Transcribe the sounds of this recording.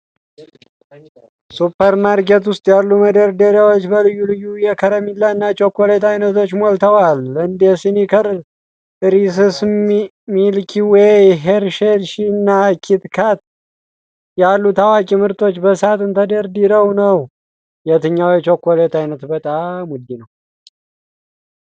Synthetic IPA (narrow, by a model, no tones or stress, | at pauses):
supʰːəɾmaɾket̪wʊst̪ʼjalːuməd̪əɾd̪əɾjawot͡ʃːbəlɨjːulɨjːujɛkʰəɾəmilːaɨnːat͡ʃʼokːolet̪ajnət̪ʰo̞t͡ʃːmolt̪ʰəwalɨnd̪ɛsinikʰəɾ | ɨɾis̬ɨs | milkʰiwɛjɦeɾʃeɾʃinːakʰit̪kʰat̪̚ | jalːut̪ʰawakʼimɨɾt̪ʰʼo̞t͡ʃːbəsat̪ʼɨnt̪ʰəd̪əɾd̪iɾəwnəw | jɛt̪ɨɲːawjɛt͡ʃʼokːolet̪ajnət̪bət̪ʼamʊd̪ːinəw